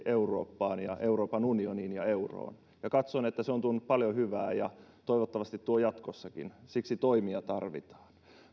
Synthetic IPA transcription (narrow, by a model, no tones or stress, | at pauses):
ʔeuro̰ːpːɑːnjɑʔeuroːpɑnunioniːnjɑeuro̰ːn | jɑkɑt̪sonet̪ːæseont̪unːuppɑljohyʋæ̰ːjɑ̰t̪oiʋot̪ːɑʋɑst̪it̪t̪uojɑt̪kosːɑkḭnsiksit̪oimiɑt̪ɑrʋḭt̪ɑ̥ːn